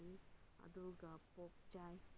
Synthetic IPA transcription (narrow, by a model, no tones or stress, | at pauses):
ia̰duɡapɔk̚d͡ʒaj